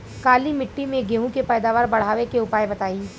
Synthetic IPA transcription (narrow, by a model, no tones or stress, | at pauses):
kaːlimɪʈːimẽɡeːɦũkepɛːd̪aːʋaːɾbɐɽ̤aːʋekeʊpaːjbɐt̪aːi